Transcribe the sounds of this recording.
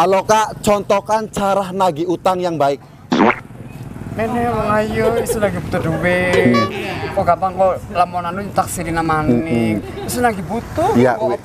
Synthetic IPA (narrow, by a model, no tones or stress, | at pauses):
alɔkaʔt͡ʃɔnt̪ɔkant͡ʃaɾahnaɡiut̪aŋjaŋbaɪk̚ | nɛnɛwɔŋajɔisunaɡibut̪ud̪uwe | kɔɡapaŋkɔlamɔnanut̪aksilinamani | isunaɡibut̪uja̰